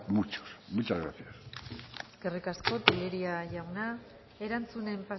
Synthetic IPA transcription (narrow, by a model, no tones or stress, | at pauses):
mut͡ʃo̥smut͡ʃazɣɾa̰θiaseske̞rikasko̞t̪iʎe̞ɾiaʝawna | e̞ɾant͡sune̞mpa